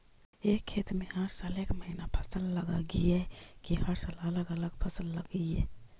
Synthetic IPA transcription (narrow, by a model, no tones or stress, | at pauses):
ekʰːet̪meɦəɾsalekməɦinapʰə̥səlːəɡaɡiekiɦhəɾsalələɡələɡ̚pʰəsəlːəɡie